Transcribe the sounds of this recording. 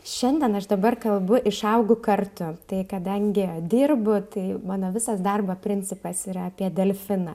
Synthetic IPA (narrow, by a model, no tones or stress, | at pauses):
ʃʲɛnʲd̪ʲɛnɐʃd̪ɐbɐrkɐlˠbʊʔɪʃɐʊɡʊkɐrt̪ʊt̪ɐɪkɐd̪ɐŋʲɡʲɪd̪ʲɪːrbʊt̪ɐɪmɑːnoːʋʲɪsɐsd̪ɐrbɐpʲɾʲɪnʲt͡ssʲɪpɐsiɾɐɐpʲiɛd̪ʲɛlʲfʲɪnɐ